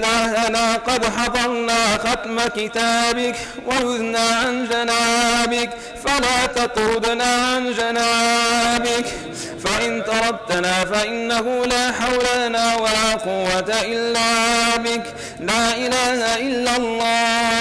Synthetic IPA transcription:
ðaːhaðaːqɑd̪ħɑd̪ˤɑɾnaːxat̪makɪt̪aːbɪk | wajʊðnaːʕand͡ʒanaːbɪk | falaːt̪ɑt̪ˤɾʊd̪naːʕand͡ʒanaːbɪk | faʔɪnt̪ɑɾˤɑd̪t̪ːanaːfaʔɪnːahʊlaːħawlaanaːwalaːqʊwːat̪aʔɪlːaːbɪk | laːʔɪlaːhaʔɪlːalˤːaː

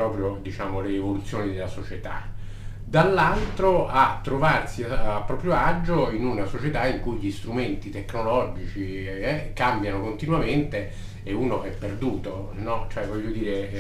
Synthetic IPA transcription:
ɾɔːpɾjod̪it͡ʃaːmoleːvolut̪sːjoːnid̪elːasot͡ʃet̪a̰ | d̪alːalt̪ɾoat̪ːɾovarsiapːɾɔːpɾjoad͡ʒːoinunasot͡ʃet̪aiŋkujʎist̪ɾument̪it̪ekːnolɔd͡ʒit͡ʃi | ɛkambjanokont̪inwament̪e | euːnoʔɛpːerd̪uːt̪o | nɔt͡ʃoɛvɔʎːod̪iːɾe

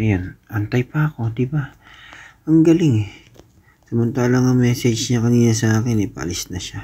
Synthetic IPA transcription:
ɐjonʔɐnt̪ajpɐːko̞d̪ɪba | ɐŋɡɐlɪŋɛ | sɐmɐnt̪aːlɐŋɐŋmɛːsɛd͡ʒɲɐkɐniːnɐsɐʔaːkɪnɐpɐ̰ʔɐ̰lɪsnɐʃa

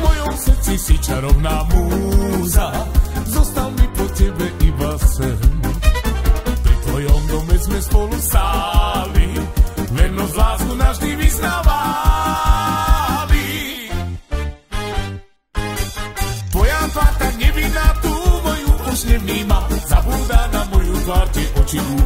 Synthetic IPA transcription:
mojonsɛsisit͡ʃaɾovnamuzazɔst̪almipot̪ɛbɛʔibasɛm | pɾit̪ojond̪omɛsmɛspolˠusalivɛɾnozlaznunaʃd̪imiznava | li | pojafat̪aɲɛvid̪at̪umojuuʃɲɛmnimazabud̪anamojuzvaɾt̪ɛʔot͡ʃiu

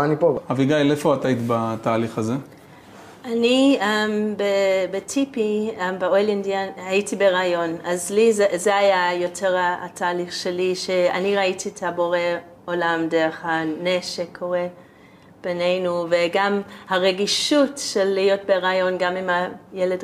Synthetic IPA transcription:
nipohaviɡajlefoat̪ajt̪bataːliχaze | aniembebetʰipiembeojlendianhaitibeʁaːjo̞nazlizezeajajo̞tʰeʁaa̰tʰaːliχʃeliʃea̰niʁaitietʰabo̞ʁe | olamdeʁeχhaneʃekʰo̞ʁe | b̥enejnuveɡamhaʁeɡiʃutʃelːijo̞t̚beʁaːjo̞nɡamimajeled

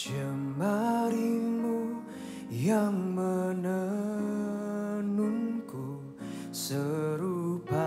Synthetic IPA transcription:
d͡ʒəmːaɾimu | jaŋmənə | nuŋku | səɾupa

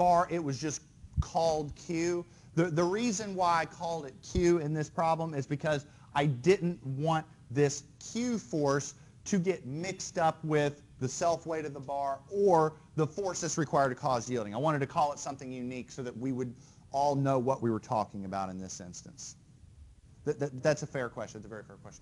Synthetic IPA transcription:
b̥ɑɹʔɪt̚wʌzd͡ʒʌs | kʰɔlˠd̚kʰj̥ʉ | ðɨðɨɹizɨ̃nwaɪaɪkʰɔlˠdɨt̚kʰj̥ʉɪ̃nðɪspʰɹ̥ɑblə̃mɪzbɨkʰʌz | ʔaɪdɪdⁿn̩ʔwɑ̃n | ðɪskʰj̥ʉfɔɹs | tʰɨɡɛt̚mɪkstʌpwɪð | ɨsɛlˠfweɪɾʌvðəbɑɹə˞ | ðəfɔɹsɨtsɹɨkʰw̥aɪə˞d̚tɨkʰɔzjilˠdɪ̃ŋaɪwɑ̃ɾ̃ɨd̚tʰɨkʰɔlˠətsʌ̃mθɪ̃ŋjʉniksoʊðɨt̚wiwəɾ | ʔɔlˠnoʊwʌʔwiwə˞tʰɔ̰kɪ̃ŋɨbaʊɾɨ̃nðɪsɪ̰̃nstɨ̰̃ns | ðɨðɨðætsɨfɛɹkʰw̥ɛst͡ʃn̩ðætsəvɛɹifɛɹkʰw̥ɛst͡ʃn

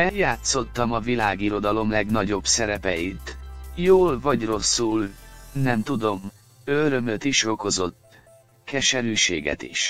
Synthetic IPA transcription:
ɛljaːt̪so̞t̪ːɒmɒvilaːɡiɾo̞d̪ɒlo̞mlɛɡnɒɟo̞bsɛɾɛpɛjit̪joːlvɒɟro̞sːulnɛmt̪ud̪o̞m | øɾømøt̪iʃo̞ko̞zo̞t̪ː | kɛʃɛɾyːʃeːɡɛ̰t̪ḭʃ

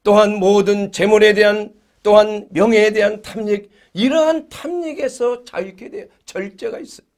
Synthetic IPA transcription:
t͈oɦanmoːdɯnt͡ɕe̞muɾe̞de̞ɦan | t͈oɦanmjʌŋɦeːde̞ɦantʰamɲiɡ | iɾʌɦantʰamɲiɡe̞sʰʌt͡ɕa̰jikʰede | t͡ɕʌɭt͡ɕ͈e̞ɡais͈ʌ̥

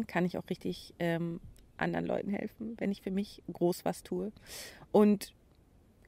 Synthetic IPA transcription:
nkʰanɪçaʊχʁ̥ɪçtɪçʔɛːmʔa̰ndəʁənlɔ̰ʏtn̩hɛ̰lfn̩vɛnɪçfyːɐmɪçɡ̥ʁoːsv̥astʰuːəʔʊnt

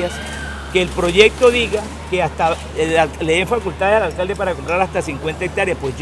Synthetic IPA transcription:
as | keːlpɾo̞ʝe̞k̚t̪o̞ðiɣa | keast̪a | leðeɱfakult̪aðe̞salalkald̪epaɾako̞mpɾaɾast̪asiŋkwe̞nt̪aek̚t̪aɾjaspwes

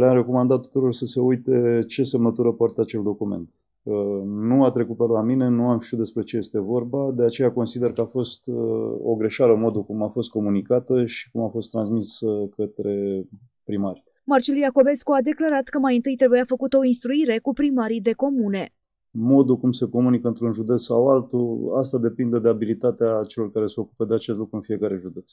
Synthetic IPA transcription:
lamre̞ko̞mand̪at̪ːu̥t̪uɾo̞rsəse̞ujt̪e̞t͡ʃe̞semət̪uɾəpart̪eat͡ʃe̞ld̪o̞kume̞̰nt̪ | nuat̪ɾe̞kut̪̚peloamine̞nuamʃt̪iut̪d̪espɾe̞t͡ʃe̞je̞st̪e̞vo̞rbad̪e̞at͡ʃe̞jako̞nsid̪e̞rkəafo̞st̪o̰ɡɾe̞ʃaɾəmo̞d̪ukumafo̞st̪̚ko̞munikat̪əʃi̥kumafo̞st̪ːɾansmiskət̪ɾe̞ | pɾimaɾʲ | mart͡ʃilijako̞be̞skuad̪e̞klaɾat̪kəmajɨnt̪ɨjt̪ɾe̞bujafəkut̪əo̞inst̪ɾuiɾe̞kupɾimaɾid̪e̞ko̞mune̞ | mo̞d̪ukumse̞ko̞munikəɨnt̪ɾunʒud̪e̞t̪ssawalt̪uast̪ad̪e̞pind̪ed̪eabilit̪at̪eat͡ʃe̞lo̞rkaɾe̞se̞o̞kupəd̪eat͡ʃest̪lukɾuɨnfie̞kaɾe̞ʒud̪e̞t̪s

